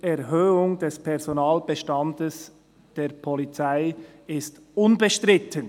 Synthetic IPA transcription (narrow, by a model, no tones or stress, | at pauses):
ɛʁɦøːʊŋd̥ɛspʰɛʁz̥onaːlb̥əʃtɑndəs | d̥eːɐpʰolit͡saɪ | ɪst | ʊnbəʃtʁɪtʰən